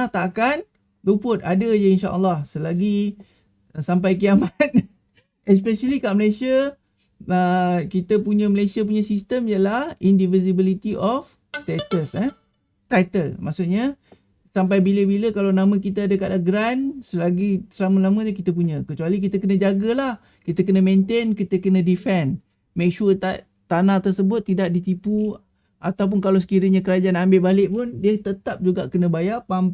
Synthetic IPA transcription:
ht̪aʔkan | lupʊt̪adəd͡ʒəinʃaʔə̰lːɑhsəlaɡi | sampajkiamat̪̚ | ɛs̬pɛʃəlikaʔməlajsia | əkit̪əpuɲə̃məlajsiap̬uɲãsist̪əmijəlahindivizibilit̪iʔɔf | st̪et̪əsɛ | t̪ajt̪əlma̰ʔsuʔɲa | samp̬ajbiləbiləkalawnamə̃kit̪̬əadəkat̚aɡɾansəlaɡisəlaməlamə̃t̪ukit̪əp̬uɲə̃kət͡ʃualik̬it̪əkənə̃d͡ʒaɡəlah | kit̪ək̬ənəmẽnt̪enkit̪əkənə̃difɛn | mek̚ʃurt̪aʔ | t̪anat̪ərsəbʊt̪ːidaʔ̚dit̪ipu | ʔat̪awp̬ʊnkalaws̬ə̥kiɾəɲakəɾad͡ʒaanambeʔbalɪʔpʊndiət̪ət̪ap̚d͡ʒuɡaʔkənə̃bajapam

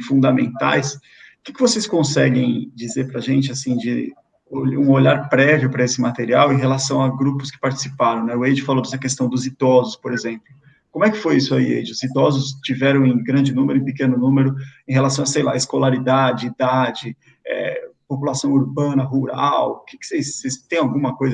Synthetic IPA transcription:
fũd̪amḛ̃nt̪a̰js | kɪkɪvoseskõsɛɡẽj̃d͡ʒizeɾpɾɐʒẽnt͡ʃɪasĩd͡ʒɪ̰ | oũoʎaɾpɾɛvjʊpɾɐesɪmat̪eɾiawẽj̃ɦelasɐ̃w̃aɡɾupʊskɪ̥paɾt͡ʃi̥sipaɾɐ̃w̃nɛʊejd͡ʒɪfalod̪ɛsɐkest̪ɐ̃w̃d̪ʊzid̪ɔzʊspoɾezẽmplʊ | kõmʊɛkɪ̥fojisʊaiḛjd͡ʒɪʊzid̪ɔzʊst͡ʃivɛɾɐ̃w̃ẽj̃ɡɾɐ̃d͡ʒɪnũmeɾʊẽpɪkẽnʊnũmeɾʊẽɦelasɐ̃w̃ɐsejla̰eskolaɾid̪ad͡ʒɪid̪ad͡ʒɪ | ɛ̰populasɐ̃w̃uɾbɐ̃nɐɦuɾa̰wkɪkɪ̥sejsːejst̪ẽj̃awɡũmɐkojzɐ

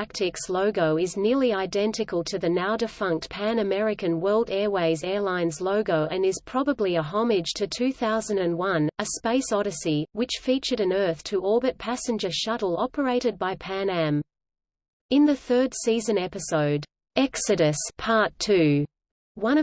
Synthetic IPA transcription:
æk̚tʰɨksloʊɡoʊɨznɪɹlˠiaɪdɛ̃ntɨkəl̩ˠtʰɨðɨnaʊdɨfʌ̃ŋk̚t̚pʰæ̃nɨmɛɹɨkɨ̃nwɜ˞lˠdɛɹweɪzɛɹlãɪ̃nzloʊɡoʊʔɨ̃nɨz̥pʰɹ̥ɑbəbliɨɦɑmɪd̥ʒ̥tʰɨtʰʉθaʊzɨ̃n̩dɨ̃nwʌ̃nɨspeɪsɑɾɨsiwɨt͡ʃfit͡ʃə˞ɾɨ̃nɜ˞θtʰɨʔɔɹbɨt̚pʰæsɨ̃nd͡ʒə˞ʃʌɾl̩ˠɑpə˞eɪɾɨd̚baɪpʰæ̃næ̃m | ɨ̃nðɨθɜ˞d̥sizɨ̃nɛpɨsoʊd | ɛksɨɾɨspʰɑɹtʰʉ | wʌ̃nʌ

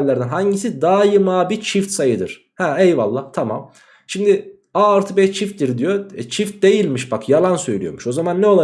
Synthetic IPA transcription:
llːʲæɾd̪ænɦaɲɟisid̪aːjɯmaːbit͡ʃʰift̪sajɯd̪ɯ̰ɾ̥ | hɛɛjvalˠːaːt̪ʰamam | ʃimd̪ɪ | aːɾt̪ʰɯbɛt͡ʃʰift̪̚d̪iɾd̪ijo̞ɛt͡ʃʰift̪̚d̪e̞jilʲmiʃbakjalˠansø̞jlʲy̰jo̞̰muʃo̞zamanːɛo̞lˠa

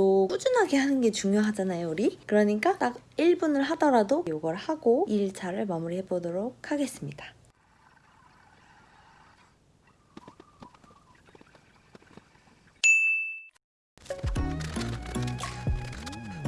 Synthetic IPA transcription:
ok͈ud͡ʑunɦaɡe̞hanɯnɡe̞t͡ɕuŋjoɦad͡ʑanajouɾikɯɾʌɲik͈at͈akiɭbunɯɭɦadʌɾadojoɡʌɭhaɡoiɭt͡ɕʰaɾɯɭmamuɾihe̞bodoɾok̚kʰhaɡe̞s͈ɯmɲidḁ

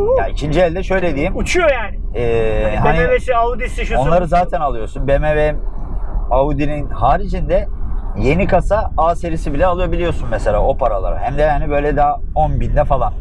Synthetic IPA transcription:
jaicʰind͡ʒiɛlʲd̪ɛʃø̞jlʲed̪ijːimut͡ʃʰujojaːnɪɛːɦanievesiaud̪isiʃuo̞nˠaɾɯzaːt̪ʰænalˠɯjo̞sunbemevɛm | aud̪ininhaːɾid͡ʒind̪ɛje̞nikʰasaaːse̞ɾisibilʲɛalˠɯjabilʲijo̞sunmese̞lʲa̰ːo̞pʰaɾalˠa̰ɾa̰ɦæmd̪ɛhanibø̞jlʲɛd̪aːonbind̪ɛfalˠa̰n

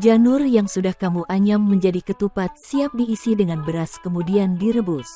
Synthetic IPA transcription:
d͡ʒanʊrjaŋsudahkamuʔaɲamːəɲd͡ʒadikət̪upat̪̚siap̚diːsidəŋanbəɾaskəmudiandiɾəbus

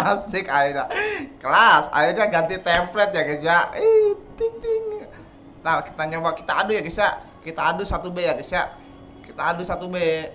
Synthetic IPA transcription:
sɪkaiɾakəlasa̰irɲaɡant̪it̪ɛmplɛt̪̚jaɡid͡ʒait̪iŋt̪ɪŋ | narki̥t̪aɲəwakit̪aːdujaɡisa | kit̪aːdusat̪ubejaɡisa | kit̪aːdusat̪ube

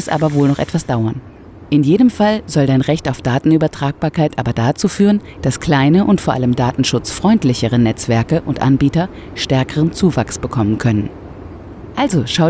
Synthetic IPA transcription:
ɛsʔa̰ːbɐvoːlnɔχʔɛ̰tv̥asd̥aʊɐn | ʔɪnjeːdəmfalzɔldaɪnʁɛçtaʊfd̥aːtn̩yːbɐtʁ̥aːk̚b̥aːɐkʰaɪtʔaːbɐdat͡suːfyːʁən | d̥askl̥aɪnəʔʊntfoːɐʔa̰ləmdaːtn̩ʃʊt͡sfʁ̥ɔʏntlɪçəʁənɛt͡sv̥ɛɐkəʔʊntʔa̰nbiːtɐ | ʃtɛɐkəʁənt͡suːvaksb̥əkʰɔmənkʰœnən | ʔalzoʃaʊ

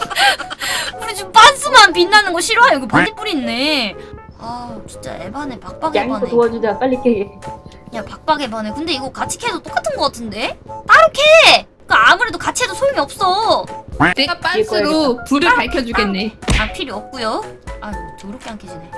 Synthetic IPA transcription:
kɯɾit͡ɕomp͈ans͈ɯmanpinːanɯnɡʌɕʰiɾoɦajokepad͡ʑip͈uɾinːe̞ | at͡ɕi̥nt͡ɕ͈a̰ʔe̞̰banepak̚p͈aɡŋanetoad͡ʑud͡ʑap͈aʎːikʰeɡejapak̚p͈aɡe̞banekɯnde̞iɡʌkat͡ɕʰi̥kʰedot͈ok͈atʰɯnɡʌk͈atʰɯnde̞t͈aɾɯkʰe | k͈aamuɾe̞dokat͡ɕʰiɦedosʰojoŋiʌp̚s͈ʌ | neap͈asɯɾopuɾɯɭpaɭkʰjʌd͡ʑuɡenːeapʰiɾiʌp̚k͈ujoatɯɡɾʌkʰeankʰid͡ʑine

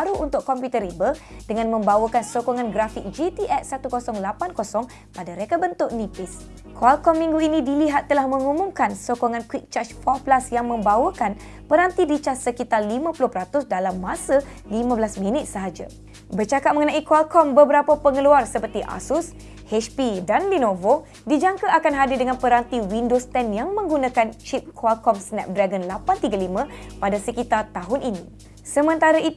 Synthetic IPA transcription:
aɾuʔunt̪ʊkːɔmpjut̪ərɾibədəŋãnmə̃mbawəkansokɔŋãnɡɾafik̚d͡ʒit̪iʔɛt̪̚sat̪ukosɔŋlapankosɔŋ | padaɾekabənt̪ʊʔnĩpɪs | kʰoalkɔmːĩŋɡuinĩdiliɦat̪ːəlahmə̃ŋumũŋkansokɔŋãnkwik̚t͡ʃat͡ʃfɔplasjaŋmə̃mbawəkan | pənant̪idit͡ʃassəkit̪arlimãpulʊhpəɾat̪ʊsdalamːãsə | limãbəlasmĩnɪt̪̚səɦad͡ʒa̰ | bərt͡ʃakat̚məŋənãikoalkɔmbəbəɾapapəŋəluarsəpərt̪iʔa̰sʊs | hɛt͡ʃpidanlinovo | did͡ʒaŋkaʔakanɦadɪdəŋanpəɾant̪iwindost̪ɛnjaŋmə̃ŋɡunãkant͡ʃip̚kʰoalkɔmsnɛ̰p̚dɾaɡənlapant̪iɡalimãpadasəkit̪art̪aɦʊnʔinĩ | səmə̃nt̪aɾai

